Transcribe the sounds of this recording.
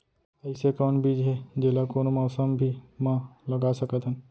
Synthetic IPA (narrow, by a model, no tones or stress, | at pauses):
əjsekaɳbʱid͡ʒɦed͡ʒelakonomawsəmbʱimãləɡasəkət̪ɦə̃n